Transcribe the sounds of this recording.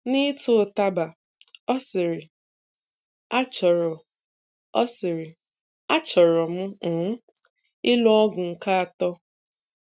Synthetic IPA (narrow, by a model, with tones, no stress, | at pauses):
nɪ˦tʊ˦˨ta˦ba˨ | ɔ˦sɪ˨ɾɪ˨ | a˦t͡ʃɔ˨ɾɔ˨ | ɔ˦sɪ˨ɾɪ˨ | a˦t͡ʃɔ˨ɾɔ˨m̩˦˨˦ | ɪ˦lɔ˦ɔ˦ɡʊ˨ŋ̩˨ka˦a˨tɔ˦